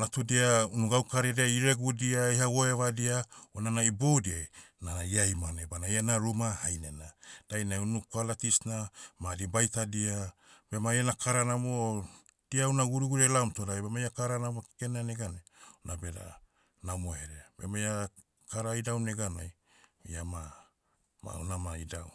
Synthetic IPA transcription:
natudiaunuɡawkaɾedeaiɾeɡudiaihawoevadiaonanaibowdiajnaaiajmanebanajanaɾumahajnḛnad̥ajnaunukalatisnamadibajtadiabemajanakʰaɾanamo | d̥iaunaɡuɾuɡuɾelamtodajbemajakaɾanamoki̥kenaneɡane | nabeda̰ | namoheɾebḛmaja | kaɾaidawneɡanaj | iama | ma̰unamaidaw

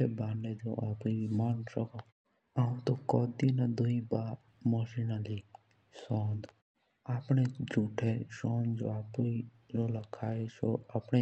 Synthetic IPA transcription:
ebaːɳɖed͡ʒo̰ːʔaːpimansəko | aːũt̪okɔːd̪iːnad̪ʊĩbaː | moʃinaliː | soːnd̪ | aːpɳed͡ʒuːʈʰeʃɔːnd͡ʒo̰ːaːpi | d͡ʒoːlakʰaːeso̰aːpɳe

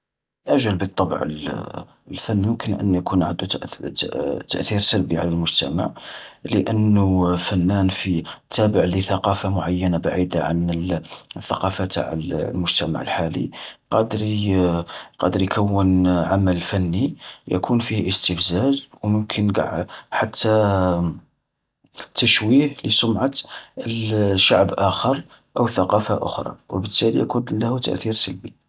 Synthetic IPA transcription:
ʔæʒəlbət̪ˤːɑb̰ʕə̰l | əlfænːmʊmkənʔə̰nːjkunʕad̪u | t̪ːəʔθiɾsəlbiʕalælmʊʒt̪æ̰ma̰ʕləʔənːufænːænfit̪ʰːæbəʕliθɑqɑfamʊʕajːənabaʕid̪aʕa̰nəəθːɑqɑfat̪a̰ʕ̰llmʊʒt̪æma̰ʕə̰lħalḭqɑd̪əɾ | qɑd̪əɾjkʰəwːənʕaməlfænːijæ̰kʰunfihʔəst̪əfzæʒwmʊmkʰənɡa̰ʕħat̪ʰːa | t̪əʃwihləsʊmʕət̪əʃaʕbʔæxəɾˤ | ʔəwθɑqɑfaʔʊ̰xɾˤɑ̰wəbət̪ːælḭjæ̰kunlæhut̪ə̰ʔθiɾsəlbi

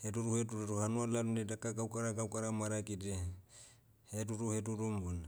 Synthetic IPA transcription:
heduɾuhetuɾuɾuhanualaɾuedakakawkaɾaɡawkaɾamaɾakide | hetuɾuhetuɾumbona

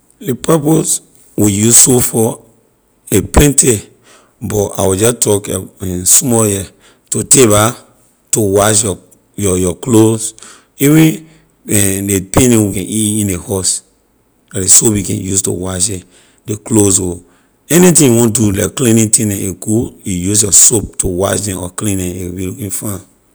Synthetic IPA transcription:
depʰɛpos | wijussofɔ | eplɛ̃ntʰe | bɔa̰wid͡ʒɔtʰɔkɛɛ̃smɔjɛ | toteba | towaʃjɔ | jɔjɔklos | iwĩ | ɛ̃depẽnɛ̃wikɛ̃iĩnehɔs | aesopjikɛ̃njusto̰waʃdɛ̃ | deklosɡo | ɛnitĩjiwɔ̃ndulakklĩnĩtʰĩdɛ̃eɡuijusjɔsop̚tʰowa̰ʃdɛ̃nʔɔ̰klĩndɛ̃ewbilukĩnfã

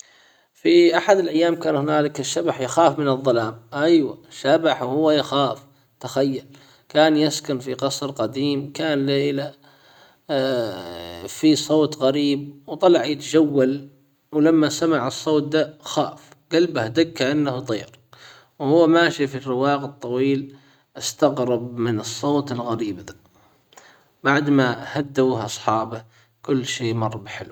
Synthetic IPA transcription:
fiʔaħad̪ɪlʔajːaːmkaːnhʊnaːlɪkɪʃːabaħjaxaːfmɪnɨðˤːɑlaːmʔajwa̰ʃːabaħwhʊwːajaxaːf | t̪axajːal | kaːnjaskʊnfiqɑsˤɾqɑd̪iːmkaːnlaʔɪla | fisˤoːt̪ɣaɾiːb̚wt̪ˤɑlɑʕjɪt̪ad͡ʒawːal | wlamːasamaʕɑsˤːoːt̪̚d̪axaːf | ɡalbahd̪akːaʔanːaht̪ˤɨːɾˤ | whʊwːmaːʃifirːɪwaːɣɨt̪ˤːɑwiːl | ʔast̪aɣɾɑb̚mɪnɨsˤːoːt̪ɪlɣaɾiːbða | baʕd̪mahad̪ːauːhʔɑsˤħɑːba | kʊlːʃeːmɑrˤːbħɪlw

